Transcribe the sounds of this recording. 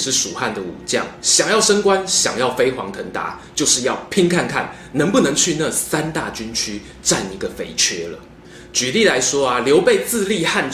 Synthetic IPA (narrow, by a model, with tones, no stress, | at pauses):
ʂɻ̩˥˩ʂu˨˩xa˥˩nd̪ə˩ṵ˨˩t͡ɕjɑ̰˥˨˩ŋɕjɑ˨˩ŋjɑ˥˨ʊʂə˥ŋkwa˥˦nɕjɑ̰˨˩ŋjɑ˥˩ʊfe˥ɪxwɑ̰˧˥ŋt̪ʰə˧˥ŋt̪a̰˧˥t͡ɕjo˥˧ʊʂɻ̩˥˧jɑ˥˨ʊpʰi˥ŋkʰa˥˧nkʰa̰˥˨n | nə˧˥ŋpu˥˩nə˧˦ŋt͡ɕʰy˥˧na˥˨˩sa˦nt̪a̰˥˨t͡ɕy˥˦nt͡ɕʰy˥ | ʈ͡ʂa˥˩ni˧˥ɡə˨fḛ˧˥ɪt͡ɕʰɥɛ˥lə̰˨ | t͡ɕy˨li˥˨la˧˦ɪʂwɔ˥a˨ljo˨˧˥ʊpe˥˧ɪt͡sɹ̩˥˧li˥˧xa˥˧n